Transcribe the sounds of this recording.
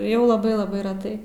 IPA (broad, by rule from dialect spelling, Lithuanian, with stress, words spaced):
ˈjɛʊ lˠɐˈbɐɪ lˠɐˈbɐɪ rʲɛˈtɐɪ